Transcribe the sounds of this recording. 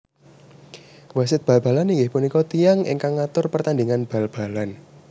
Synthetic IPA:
wasɪt̪̚b̥ä̤lb̥a̤laniŋɡɪhpunikɔt̪ijaŋʔɪ̰ŋkaŋːat̪ʊrpərt̪andiŋanb̥a̤lb̥a̤lan

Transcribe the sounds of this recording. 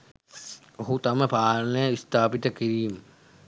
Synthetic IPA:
ɦut̪ɐmepʰaːɾneist̪ʰaːpit̪ɐkiɾiːm

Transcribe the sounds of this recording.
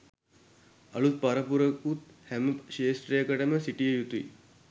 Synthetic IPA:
ɐɭut̪̚pɐɾɐpuɾɐkut̪hɛməpʃeːsʈɾejkɐʈɐməsiʈiejut̪uḭ

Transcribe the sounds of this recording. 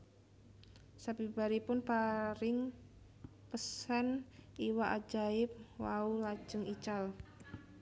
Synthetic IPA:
sabibaɾipʊnpaɾɪŋ | pəsaniwaʔad͡ʒaɪp̚waulḁd͡ʒ̥əŋit͡ʃal

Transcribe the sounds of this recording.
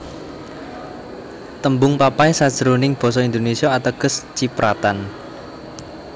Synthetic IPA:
t̪əmbʊŋpapaisad̥ʒ̥əɾonɪŋb̥ɔ̤s̬ɔind̪onesiɔat̪aɡ̥ə̤st͡ʃipɾat̪an

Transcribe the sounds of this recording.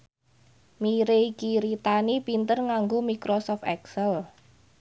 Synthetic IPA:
miɾeikiɾit̪anipint̪ərŋaŋɡomikɾosɔfɛ̰ksəl

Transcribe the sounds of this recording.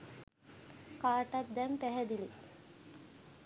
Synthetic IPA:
kaːʈat̪̚d̪ɛmpæɦɛd̪ili

